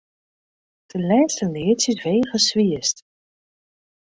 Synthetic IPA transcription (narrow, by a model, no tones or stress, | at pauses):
d̥əlɛːstənɪətsɪsʋejχəsʋiəst